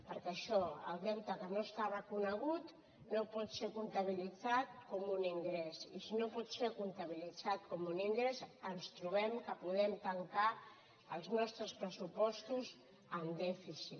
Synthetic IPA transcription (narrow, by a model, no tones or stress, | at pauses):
pəɾkeəʃɔə̰lˠd̪ɛwt̪əkənost̪arəkunəɣut̪ | nopɔt̪seɾkunt̪əβ̞ilid͡zat̪̚kɔmuniŋɡɾɛsḭsinopɔt̪seɾkunt̪aβilid͡zat̪̚kɔmuniŋɡɾɛzənst̪ɾuβ̞ɛmkəpuðɛmt̪əŋka | əlˠznɔst̪ɾəspɾəsupɔst̪uz | ənd̪ɛfisit̪